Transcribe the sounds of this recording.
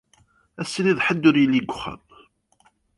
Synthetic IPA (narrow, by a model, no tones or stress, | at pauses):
æsːliðħəd̪ːʊɾjəlːiɡʷʊχːə̰m